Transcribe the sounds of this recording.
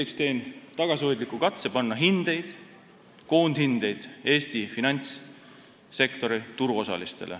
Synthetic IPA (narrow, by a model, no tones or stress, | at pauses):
ekst̪e̞ːnt̪ɑɡ̥ɑsiojd̪likːukɑt̪sepɑnːɑɦind̪̥e̞jd̪̥ | ko̞ːnd̪̥hind̪̥e̞jd̪̥e̞ːst̪ifinɑnʲt̪sː | e̞kt̪o̞ɾit̪uɾuo̞sɑ̰list̪e̞̰lʔḛ